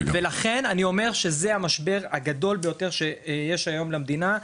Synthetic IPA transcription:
velaχe̞nanio̞me̞ʁʃezeamaʃbe̞ʁaɡad̪o̞lbejo̞t̪e̞ʁʃejeʃajo̞mlamd̪ina

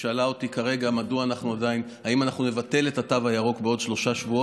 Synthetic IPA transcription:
ʃealao̞tikaʁe̞ɡamaduaːnaχnuadain | haimanaχnunevate̞le̞tatavajaʁo̞kbeo̞dʃlo̞ʃaʃvuo

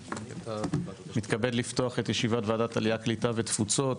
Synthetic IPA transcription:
mit̪kabe̞dlifto̞aχe̞tjeʃivatvaːdataliaklitavetfut͡so̞t

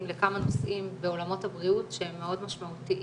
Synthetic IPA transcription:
mlekamano̞sʔimbeo̞lamo̞thabʁiutʃehemːeo̞dmaʃmautiʔ

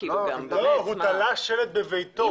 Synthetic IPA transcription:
loɦut̪alaʃelet̪̚bevejt̪o

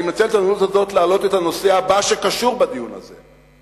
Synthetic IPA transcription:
imat͡selet̪anonut̪hazo̞t̪leaːlo̞t̪et̪ano̞se̞abaʃe̞kaʃuʁbad̪ijuna̰ze̞̰

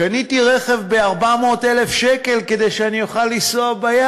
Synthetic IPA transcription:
anitiʁeχe̞vbeaʁbamo̞ːte̞lefʃeke̞lke̞d̪ejʃeanijoχalːisoabaja

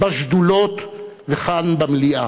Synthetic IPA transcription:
baʃd̪ulot̪veχanbamliʔa

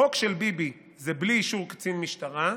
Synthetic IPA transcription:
o̞kʃelbibi | zebliːʃuʁkt͡sinmiʃtaʁa

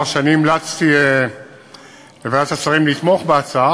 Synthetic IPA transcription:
ʁʃanimlat͡st̪ie | levadat̪at͡saʁimlit̪mo̞χbeat͡saa

